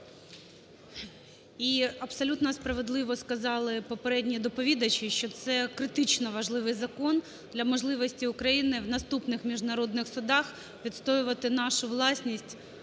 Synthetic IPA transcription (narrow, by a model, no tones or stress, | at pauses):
iɐbsɔlʲut̪nɔspɾɐʋed̪lˠɪʋɔskɐzɑlˠɪpɔpeɾɛdʲnʲid̪ɔpɔʋʲid̪ɐt͡ʃiʃt͡ʃɔt̪sɛkɾɪt̪ɪt͡ʃnɔʋɐʒlˠɪʋɪjzɐkɔn | d̪lʲɐmɔʒlˠɪʋɔsʲtʲiʊkɾɐjinɪwnɐst̪upnɪxmʲiʒnɐɾɔd̪nɪxsʊd̪ɑx | ʋʲit̪st̪ɔjʊʋɐt̪ɪnɑʃʊʋlˠɑsʲnʲisʲtʲ